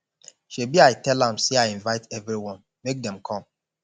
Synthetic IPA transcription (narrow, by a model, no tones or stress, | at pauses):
ʃebiaɪtɛlãmseaɪĩnvaɪtɛvɾiwɔ̃n | mek̚dɛ̃mkʰɔ̃m